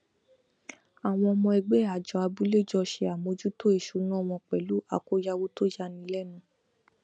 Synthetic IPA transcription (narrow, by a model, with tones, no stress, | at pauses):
a˨w̃ɔ̃˧ɔ˧mɔ̃˧ɛ˧ɡ͡bɛ˦˨a˨d͡ʒɔ˧˦a˧bu˦le˦˨d͡ʒɔ˧ʃe˧a˨mo˧˦d͡ʒu˦to˦e˦˨ʃu˨˦nũ˦ɔ˦˨w̃ɔ̃˧k͡pɛ˨lu˨˦a̰˨ko˨˦ja˧wo˦to˦ja˧nĩ˧˦lɛ˦˨nũ˦˨